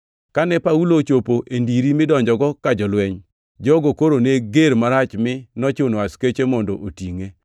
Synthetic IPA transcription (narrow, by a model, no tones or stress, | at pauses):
kanɛpaulot͡ʃopoʔendiɾimɪdɔɲd͡ʒɔɡɔkad͡ʒɔlwɛɲ | d͡ʒɔɡokoɾoneɡeɾmaɾat͡ʃmɪnɔt͡ʃonwasket͡ʃemɔndɔʔotiŋe